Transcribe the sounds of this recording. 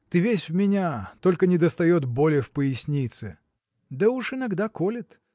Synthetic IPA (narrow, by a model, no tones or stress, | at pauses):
t̪ɨvʲesʲvmʲɪnʲat̪o̞lʲkənʲɪd̪əst̪ɐjot̪bolʲɪjəfpəɪsʲnʲit̪sɨ̰ | d̪əuʂɨnɐɡd̪akolʲɪt̪